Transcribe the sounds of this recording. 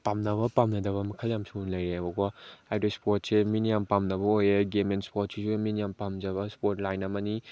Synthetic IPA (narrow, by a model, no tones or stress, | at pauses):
pamnɐβɐpamnɐdɐβɐmɐkʰaljamsuunlɐjɾeabɐɡɔajdospot̚seminijampamnɐbɐojeɡemenspot̚sisuminijampamd͡ʒɐβɐspotlajnɐmɐni